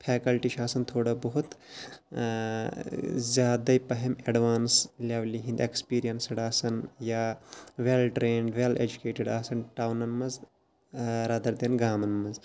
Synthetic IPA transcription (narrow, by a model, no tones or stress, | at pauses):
pʰeːkɐlʈiʃaːsɐnt̪ʰoːɽɐbɐɦut̪ | zʲjaːd̪ɐipɐɦemeɖʋaːnslʲeːʋliɦĩnd̪ekspiːɾijɐnsɐɽaːsɐnjaːʋelʈɾeːɳɖʋeːlḛd͡ʒukeːʈeɖaːsɐnʈaːwnɐnmɐz | ɾad̪ɐɾd̪enɡaːmɐnmɐz